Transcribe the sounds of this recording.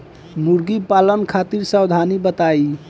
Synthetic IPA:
muɾɡipalənkʰat̪iɾsəwd̪ʱanibət̪ai

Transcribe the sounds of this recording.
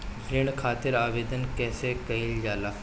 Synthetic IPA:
bɾɪɳkʰaːt̪ɪɾaːʋeːd̪ənkɛːsekɐild͡ʒaːlaː

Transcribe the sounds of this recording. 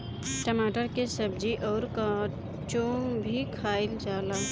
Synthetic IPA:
ʈəmaːʈəɾkesəbd͡ʒiʔɔːɾka | t͡ʃõbʱikʰaːɪld͡ʒaːlaː

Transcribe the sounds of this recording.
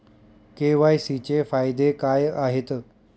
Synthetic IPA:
keʋajsit͡ɕefajd̪ekajaɦet̪

